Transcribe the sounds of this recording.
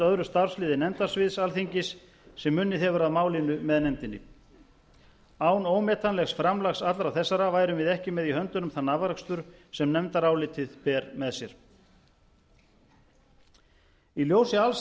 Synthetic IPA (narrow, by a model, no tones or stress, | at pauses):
œðɾʏst̪ar̥slɪːðɪnɛnt̪asvɪðsalθiɲcɪsː | ɛmːʏnːɪɛvʏɾaðmaːwlinʏmɛðnɛmt̪ɪnːɪ̰ | aːwnoːwmɛːt̪ʰanlɛxsfɾamlaxsat̪lɾawθɛsːaɾavaːjɾʏmvɪðɛhcɪmɛðiɦhœnt̪ʏnʏmθanavɾakst̪ʏɾsɛmnɛmt̪aɾaːwlɪt̪ʰɪðpɛːɾmɛðsjɛɾ̥ | iljoːwsɪals